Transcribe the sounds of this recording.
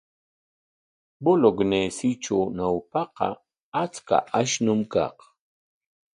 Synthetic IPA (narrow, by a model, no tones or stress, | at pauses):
boloɡnesɪʈ͡ʂawnawpɑqɑ̰ | at͡ska̰ʔaʃnʊmkɑ̰q